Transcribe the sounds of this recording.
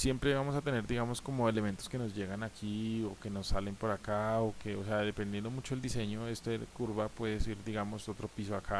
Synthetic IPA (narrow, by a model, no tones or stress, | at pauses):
sje̞mpɾe̞βamo̞sat̪e̞ne̞ɾd̪iɣamo̞sko̞mo̞e̞le̞me̞nt̪o̞ske̞no̞zʝe̞ɣanakio̞ke̞no̞sːale̞mpoɾakaoke̞ose̞aðe̞pe̞nd̪je̞nd̪omut͡ʃoe̞ld̪ise̞ɲo̞e̞st̪oekuɾβapwe̞ðesiɾd̪iɣamo̞sot̪ɾo̞pis̬oakʰa